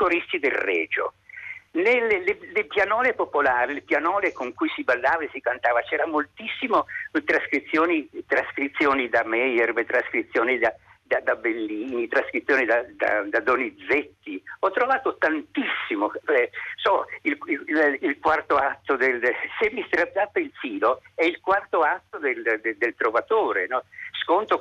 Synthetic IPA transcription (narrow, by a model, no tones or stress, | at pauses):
koɾist̪id̪elrɛːd͡ʒo̰ | nelːeːelepjanɔːlepopolaːɾilepjanɔːlekoŋkujsibalːaːvaesikant̪aːvat͡ʃɛːɾamolt̪isːimot̪ɾaskɾit̪sːjoːnit̪ɾaskɾit̪sːjoːnid̪amɛjɛrmet̪ɾaskɾit̪sːjoːnid̪a | d̪ad̪abelːiːnit̪ɾaskɾit̪sːjoːnid̪ad̪a̰d̪ad̪onid̪zet̪ːiɔt̪ːɾovaːt̪ot̪ant̪isːimoɛsɔillilkwart̪oat̪ːod̪elsemːist̪ɾat̪ːat̪ːeilfiːloɛilkwart̪oat̪ːod̪eld̪d̪elt̪ɾovat̪oːɾenɔskont̪o